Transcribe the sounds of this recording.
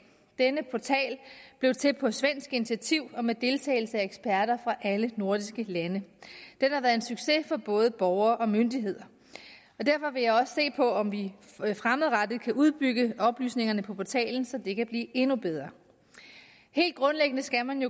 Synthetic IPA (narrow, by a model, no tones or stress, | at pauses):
d̥enəpʰɒt͡sʰɛ̰ːlb̥le̝ʊt͡sʰe̝pʰɒ̽sʋen̰sɡ̥init͡sʰiæt͡sʰiʊ̰ɒ̽med̥e̝lt͡sʰɛ̰ɪl̩səæeɡ̥sb̥ʰæɐɾɐfʁɑ̈ʔæləno̝ɐd̥isɡ̥əlænəd̥enhɑ̈ʋæːɐð̩ˠensyɡ̥se̝fɒ̽b̥ɔ̽ːð̞ˠəb̥ɒʊɐːʔɒ̽mønd̥iɦe̝ð̞̰ˠɐ | ɒ̽d̥æɐfɒ̽ʋe̝jɑ̈ɪɒ̽sse̝̰ːpʰɒ̽ɒ̽mʋifʁamðˠʁɑd̥ð̩ˠkʰæʔuð̞ˠb̥yɡ̥əɒ̽b̥ly̰ːsne̝ŋɐnəpʰɒ̽pʰɒt͡sʰɛ̰ːln̩sɒ̽d̥e̝kʰæb̥lḭːʔe̝nub̥eð̞ˠʁɐː | he̝̰ːld̚ɡ̥ʁɔ̽nleɡ̥ənəsɡ̥æmænjo̝